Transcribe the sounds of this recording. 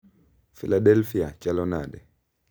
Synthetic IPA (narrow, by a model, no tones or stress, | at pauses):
filaɗɛlfiat͡ʃalɔnadɛ